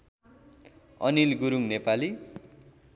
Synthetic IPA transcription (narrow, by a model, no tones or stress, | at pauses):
ʌnilɡuɾuŋnepali